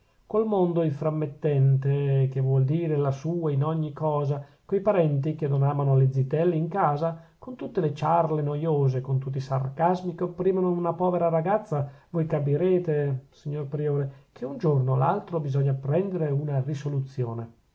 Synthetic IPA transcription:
kolmond̪oiɱfɾamːet̪ːɛnt̪ek̟evwɔld̪iːɾelasuːainɔɲːikːɔːzakojpaɾɛnt̪ik̟enːonaːmanoled̪zit̪ɛlːiiŋkaːza | kont̪ut̪ːelet͡ʃarlenojoːzekont̪ut̪̬ːisa̰rkazmikeopːɾiːmanounapɔːveɾaɾaɡat̪sːavojkapiɾeːt̪esiɲːorpɾioːɾekʰeund͡ʒornola̰lt̪ɾobizɔɲːapɾɛnd̪eɾeunarisolut̪sːjo̰ːne

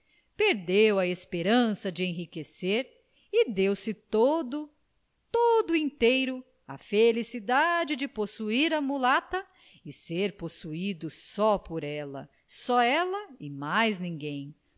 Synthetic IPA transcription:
peɾd̪ewɐespeɾɐ̃sɐd͡ʒɪẽɦikeseɾ | ɪd̪ewsɪt̪od̪ʊ | t̪od̪ʊẽt̪ejɾʊ | ɐ̰felisid̪ad͡ʒɪd͡ʒɪposuiɾɐmulat̪ɐ | ɪseɾposuid̪ʊsɔpoɾɛlɐ̰ | sɔɛlɐɪmajznĩŋɡẽj̃

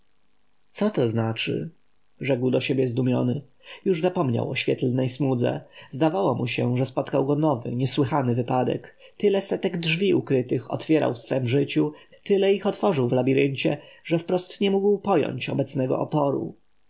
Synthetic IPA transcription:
t̪sɔt̪ɔznat͡ʂɘ̰ | ʐɛɡwd̪ɔɕebʲjɛzd̪umʲjɔnɘ | juʐzapɔmɲa̰wɔɕfʲɛt̪lnɛjsmud̪zɛ̰zd̪avawɔmuɕɛʐɛspɔt̪kawɡɔnɔvɘ̰ɲɛswɘxanɘvɘpad̪ɛ̰k | t̪ɘlɛsɛt̪ɛɡdʐvʲiʔukɾɘt̪ɘxɔ̰t̪fʲjɛɾa̰wfsfɛmʐɘt͡ɕut̪ɘlɛixɔt̪fɔʐɘwvlabʲiɾɘɲt͡ɕɛʐɛfpɾɔst̪ɲɛmuɡwpɔjɔ̰ɲt͡ɕɔbɛt̪snɛɡɔ̰ɔpɔɾṵ

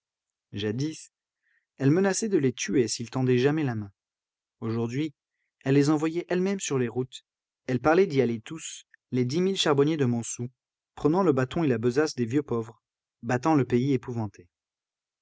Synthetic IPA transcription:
ʒad̪is | ɛlmənasɛd̪əlet̪yesilt̪ɑ̃d̪ɛʒamɛlamɛ̃ | oʒuʁd̪ɥi | ɛlːezɑ̃vwajɛʔɛlmɛmsyʁleʁut̪ | ɛlpaʁlɛd̪ialet̪us | led̪imilʃaʁbɔnjed̪əmɔ̃su | pχənɑ̃ləbat̪ɔ̃elabəzasd̪evjøpɔvʁ | bat̪ɑ̃ləpeiepuvɑ̃t̪ʰe

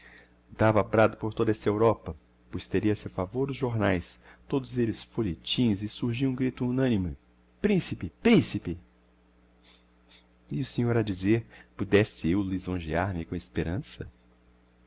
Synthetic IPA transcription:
d̪̥avapɾad̪ʊpoɾt̪od̪ɐɛsɐewɾɔpɐ | pojst̪eɾiɐsewfavoɾd̪ʊzʒoɾnajst̪od̪ʊzelɪsfoʎet͡ʃĩzɪsuɾʒiɐ̃ɡɾit̪ʊunɐ̃nimɪ | pɾĩsipɪpɾĩsipɪ | ɪʊsẽɲoɾɐd͡ʒizeɾpud̪ɛsɪewlizõʒiaɾmɪkõespeɾɐ̃sɐ

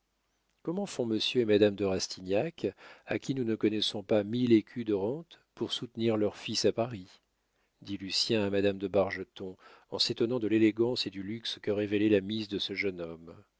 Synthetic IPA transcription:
kɔmɑ̃fɔ̃məsjøemad̪amd̪əʁast̪ʰinjakakʲinunəkɔnɛsɔ̃pamilekʲʰyd̪əʁɑ̃t̪puʁsut̪niʁlœʁfisapaʁi | d̪ilysjɛ̃amad̪amd̪əbaʁʒət̪ɔ̃ɑ̰̃set̪ɔnɑ̃d̪əleleɡɑ̃sed̪ylykskəʁevelɛlamizd̪əsəʒənɔm

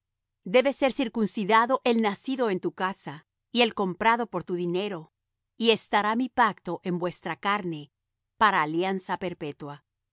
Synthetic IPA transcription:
d̪e̞βe̞se̞ɾsiɾkunsiðaðo̞ʔe̞lnasiðo̞e̞nt̪ukasa | ie̞lko̞mpɾaðo̞po̞ɾt̪uðine̞ɾo̞ | iest̪aɾamipak̚t̪o̞ʔe̞mbwe̞st̪ɾakaɾne̞ | paɾaːljansape̞ɾpe̞t̪wa

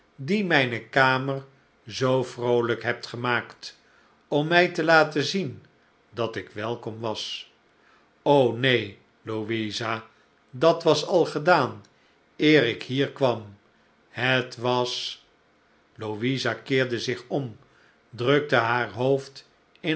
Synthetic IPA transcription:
dimɛjnəkaːmər | zowfrowləkɦɛp̚tχəmaːkt | ɔmːɛjtəlaːtəzin | dɑtɪkʋɛlˠkɔmʋɑs | ownej | loʋiza | dɑtʋɑsɑlˠχədaːn | ɪːrɪkhiːɹkʋɑm | hətʋɑs | loʋizakɪːɹdəzɪχɔm | drøk̚təɦaːɹɦowft | ɪ

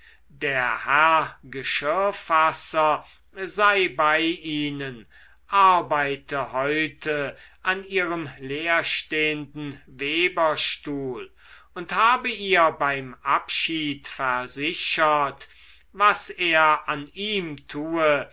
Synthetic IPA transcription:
deːɐhɛɐɡəʃɪfasɐ | zaɪbaɪʔiːnən | ʔaɐbaɪtʰəhɔʏtʰəʔaniːʁəmleːɐʃteːəndn̩veːbɐʃtuːl | ʊnthaːbəiːɐbaɪmʔapʃiːtfɛɐzɪɕɐt | vaseːɐaniːmtʰuːə

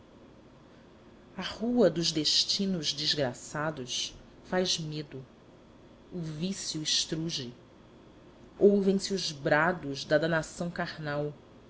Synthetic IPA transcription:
ɐhuɐd̪ʊʒd̪eʃt͡ʃĩnʊʒd͡ʒizɡɾasad̪ʊs | fajzmed̪ʊ | uvisjuɪʃt̪ɾuʒɪ | owvẽj̃sɪuzbɾad̪ʊzd̪ɐd̪anasɐ̃w̃kaɾnaw

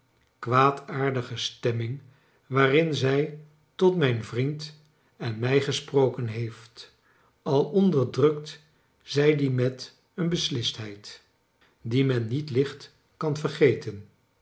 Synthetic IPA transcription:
kʋaːtʰaːɹdəχəstɛmɪŋ | ʋaːrɪnzɛj | tɔtmɛjnvrint | ɛnmɛjχəsprowkənɦejft | ɑlˠɔndəɹdrɵk̚t | z̥ɛjdimɛt | ənbəslɪstɦɛjt | dimɛnːitlɪχt | kɑnvəɹχejtən

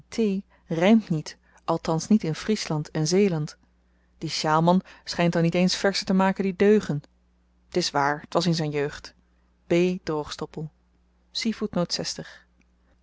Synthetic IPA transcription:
tʰej | rɛjmtnit | ʔɑlˠtɑnsnitɪnfrislɑntɛnzejlɑnt | d̥iʃaːlˠmɑnsχɛjntɑlˠnitejnsfɛɹsətəmaːkəndidøɥχən | tɪsʋaːɹətʋɑsɪnzɛjnjøɥχt | b̥eːd̥rowχstɔpəlˠ | sivutnowtsɛstəχ

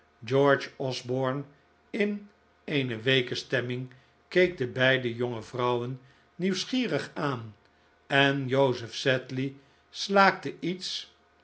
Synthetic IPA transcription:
d͡ʒɔɹd͡ʒɔzbɔɹn | ɪn | ejnəʋejkəstɛmɪŋ | kejk̚dəbɛjdəjoŋəvrʌwənː | iwsχiːrəχaːn | ɛnjowzəfsɛtli | slaːk̚təits

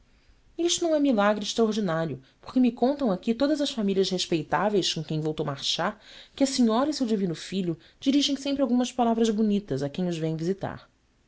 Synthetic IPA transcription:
iʃt̪unɐ̃w̃ɛmilaɡɾɪɪʃt̪ɾaoɾd͡ʒinaɾjʊ | po̥χkɪmɪkõnt̪ɐ̃w̃akit̪od̪ɐzɐʃfamiʎʲiɐʃheʃpejt̪avejskõkẽj̃vowt̪owmaɾʃaɾkɪɐsiɲɔɾɐisewd͡ʒivĩnʊfiʎʊ | d͡ʒiɾiʒẽj̃sẽmpɾawɡũmɐspalavɾɐzbunit̪ɐzakẽj̃ʊzvẽj̃vizit̪a̰ɾ

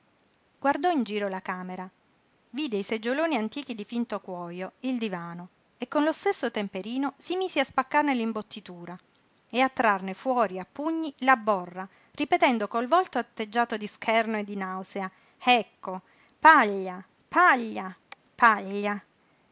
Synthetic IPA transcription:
ɡward̪ɔind͡ʒiːɾolakaːmeɾa | vid̪eised͡ʒːoloːniant̪iːk̟id̪ifint̪okwɔːjoild̪ivaːno | ekːonlost̪esːot̪empeɾiːnosimiːseaspakːarnelimbot̪ːit̪uːɾa | eat̪ːɾarnefwɔːɾiapːuɲːilabːɔrːa | ripet̪ɛnd̪okolvɔlt̪oat̪ːed͡ʒːaːt̪od̪iskʰɛrnoed̪ːinawsea | ɛkːo | paʎːa | paʎːa | paʎːa

